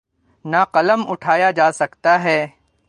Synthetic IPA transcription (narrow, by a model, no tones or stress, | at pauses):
naqɐləmʊʈʰaːjad͡ʒaːsɐkt̪aɦɛː